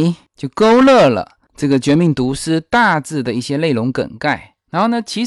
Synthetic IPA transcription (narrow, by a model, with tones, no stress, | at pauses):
t͡ɕjo˥˩ʊko˥ʊlɤ˥˩lə̰˩ | ʈ͡ʂɤ˥˩ɡə˩t͡ɕɥɛ˧˥mi˧˥˩ŋt̪u˧˥ʂɻ̩˥t̪a˥˧t͡sɹ̩˥˩d̪ə˩i˥˩ɕjɛ˥le˥˩ɪlʊ˧˥ŋkə̰˨˩nka˥˩ɪ | a˧˥nxo˥˩ʊnə˧˩t͡ɕʰi˧˥